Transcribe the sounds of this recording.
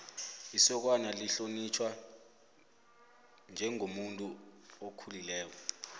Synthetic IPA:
isɔk̬wanaliɬonit͡ʃʰwa | nd͡ʒʱɛŋʱomuntʼuokʰulilɛːk̬ɔ

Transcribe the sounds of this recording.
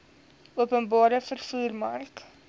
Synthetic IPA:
uəpənbɑːɾəfərfuːrmɐrk

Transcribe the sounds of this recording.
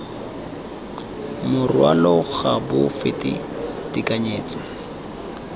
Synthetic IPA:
mʊrwa̰lɔɣabʊfɪtɪ̰ | tikaɲeːt͡sɔ

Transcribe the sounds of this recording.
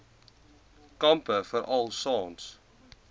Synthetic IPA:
kɐmpəfəɾʔɐlˠsɑːns

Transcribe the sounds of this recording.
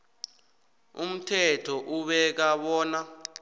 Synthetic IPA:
um̩tʰɛtʰɔʔuɓɛk̬aɓɔːna

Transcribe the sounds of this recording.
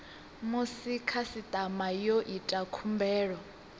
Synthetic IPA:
musikʰasit̪ʼamajoʔitʼakʰumbɛːɺɔ

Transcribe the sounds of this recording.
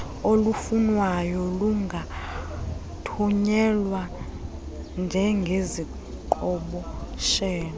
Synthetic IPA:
olufunwajɔluŋɡʱa | tʰuɲɛlwa | nd͡ʒʱɛŋɡʱezi | ǃɔɓɔʃɛːna

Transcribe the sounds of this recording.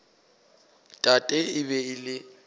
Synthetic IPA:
tʼatʼɛɪβɛɪlɪ

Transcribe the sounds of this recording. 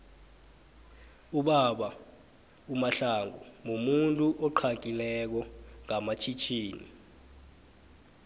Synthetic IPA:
uɓaɓa | umaɬaŋɔmumuntʼuʔɔǃʰak̬ʼilɛk̬ɔŋamat͡ʃʰit͡ʃʰiːnḭ

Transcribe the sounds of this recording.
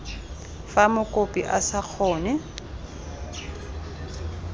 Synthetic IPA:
famʊkʼopʼiʔasak͡xʰɔːnɛ

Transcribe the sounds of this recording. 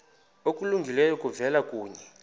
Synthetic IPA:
okʼuluŋɡʱilɛjɔkʼuvɛlakʼuːɲɛ

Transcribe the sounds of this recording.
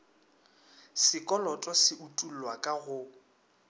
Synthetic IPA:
sɪkʼɔlɔtʼɔsɪutʼul̩lwakʼaɣʊ

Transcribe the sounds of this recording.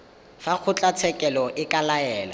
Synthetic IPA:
fak͡xʰʊt͡ɬʼat͡sʰɛkʼɛlɔʔɪkʼalaɛːla̰

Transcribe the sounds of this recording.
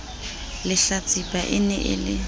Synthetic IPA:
lɪɬat͡sʼipʼaʔɪnɛʔɪ̰lɪ

